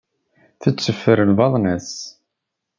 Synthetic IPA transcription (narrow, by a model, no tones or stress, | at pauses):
θət͡sːəfːəɾəlvɑðˤnæs